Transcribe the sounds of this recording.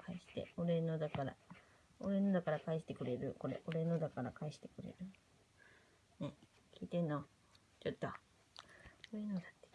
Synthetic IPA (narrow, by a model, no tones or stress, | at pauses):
kʰaiɕi̥t̪ḛoɾenod̪akaɾa̰ | oɾe̞no̞d̪akaɾakaiɕi̥t̪e̞kɯ̟ɾe̞ɾɯ̟ko̞ɾe̞̰ʔo̞ɾe̞nod̪akaɾakaiɕi̥t̪e̞̥kɯ̟ɾe̞̰ɾɯ̟ | ne̞ | kʲiːt̪ẽ̞nːo | t͡ɕot̪ːo | oɾenod̪ḁt̪ːe̥